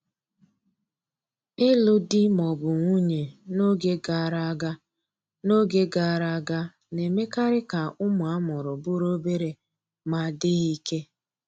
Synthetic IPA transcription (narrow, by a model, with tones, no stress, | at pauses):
ɪ˦lʊ˦dɪ˦mɔ˨bʊ˨ŋʷu˦ɲe˨no˦ɡe˦ɡa˨ɾa˦ɡa˦ | no˦ɡe˦ɡa˨ɾa˨˦ɡa˦ | ne˨me˦ka˦ɾɪ˦ka˨ʊ˦mʊ˨a˦mɔ˨ɾʊ˨bʊ˦ɾo˦be˦ɾe˨ | ma˨dɪ˦ɣi˦ke˦